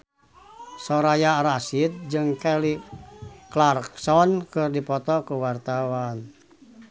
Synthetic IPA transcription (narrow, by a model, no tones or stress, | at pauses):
sɔɾajaɾasit̪̚d͡ʒɨŋkɛli | klarksɔnkɨrdipɔt̪ɔkuwart̪awan